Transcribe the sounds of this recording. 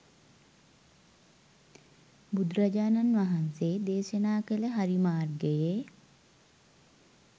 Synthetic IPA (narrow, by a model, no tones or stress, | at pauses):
bud̪ɾad͡ʒaːnanʋaɦanseːd̪eːʃənaːkələɦaɾimaːrɡəje